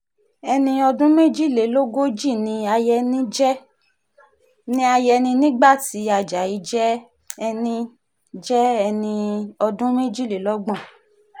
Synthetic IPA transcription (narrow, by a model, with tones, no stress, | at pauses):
ɛ˧nĩ˧ɔ˧dũ˦mẽ˦d͡ʒi˦˨le˨˦lo˦ɡo˦d͡ʒi˦˨nĩ˧a˧jɛ˧nĩ˦d͡ʒɛ˦ | nĩ˧˦a˧jɛ˧nĩ˧nĩ˦ɡ͡ba˦˨ti˨˦a˨d͡ʒa˨i˨˧˦d͡ʒɛ˦ | ɛ˧nĩ˧ | d͡ʒɛ˦ɛ˧nĩ˧ɔ˧dũ˦me˦d͡ʒi˦˨le˨˦lɔ˦ɡ͡bɔ̃˦˨